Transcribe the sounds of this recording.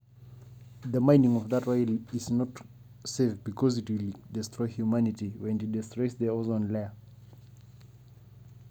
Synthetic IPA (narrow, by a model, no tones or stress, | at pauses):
ðəmãɪ̃nĩŋɔvðətɹaɪliznɔt | sefbikʰɔzitwildɛstʰɹɔɪhjumanɪtiwɛ̃nit̚dɛstɹɔɪsðəɔzɔ̃nlɛ